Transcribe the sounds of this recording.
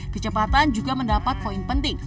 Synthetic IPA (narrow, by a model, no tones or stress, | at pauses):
kət͡ʃəpat̪and͡ʒuɡaməndapat̪̚poinpənt̪ɪŋ